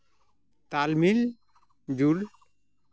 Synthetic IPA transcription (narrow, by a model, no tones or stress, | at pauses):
t̪almil | d͡ʒul